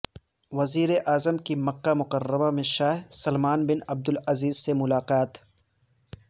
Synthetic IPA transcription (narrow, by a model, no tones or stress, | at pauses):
ʋɐziːɾeʔaːzəmkimɐqːamʊqɐrːəmamẽʃaːɦsɐlmaːnbɪnɐb̚d̪ʊlɐziːzsemʊlaːqaːt̪